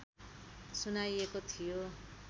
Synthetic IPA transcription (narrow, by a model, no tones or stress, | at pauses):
sunajekot̪ʰijo